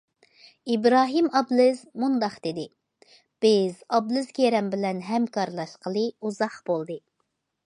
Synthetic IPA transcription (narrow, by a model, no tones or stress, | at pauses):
ibɾɑːɦɨmɑblˠɨzmund̪ɑχd̪̥ed̪ɪ | b̥ɪzɑblˠɨzkʲeɾɛmbɪlɛnɦɛmkʰɑɾlˠɑʃqʰəlˠɨuzɑχb̥olˠd̪ɨ